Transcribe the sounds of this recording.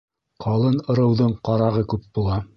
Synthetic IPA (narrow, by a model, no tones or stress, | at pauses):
qʰɑlˠɤnɤ̆ɾɤ̆wðɤɴqɑɾɑʁɤkʉp̚bulˠɑ